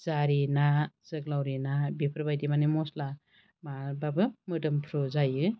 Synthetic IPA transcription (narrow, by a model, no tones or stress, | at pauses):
zaɾinaz̥ɯklawɾinabipʰɾbajdimanɯmɔsla | mababɯmɯdɯmpʰɾɔzajɯ